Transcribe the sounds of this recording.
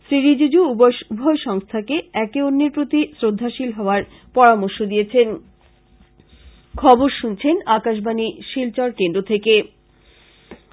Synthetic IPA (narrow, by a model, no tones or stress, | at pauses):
sɾiɾid͡ʑud͡ʑuuboubʱɔeʃɔŋst̪ʰakeɛkeonːiɾpɾot̪isɾod̪ʱːaʃilɦɔoaɾ | pɔɾamoɾʃod̪ijet͡ɕʰen | kʰɔboɾʃunt͡ɕʰenakaʃ̬baniʃilt͡ɕɔɾkend̪ɾot̪ʰeke